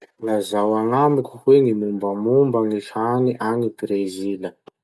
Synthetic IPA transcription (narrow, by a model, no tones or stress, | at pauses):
ŋazawaŋamikʲuhwenimumbəmumbaŋihaniʔanibɾezilə